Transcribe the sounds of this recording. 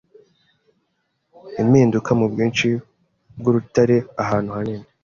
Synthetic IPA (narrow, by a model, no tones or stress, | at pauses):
imiːndukʰamubɡiːnt͡ʃi | b̚ɡuɾutaɾe̞aɦaːn̥huhanine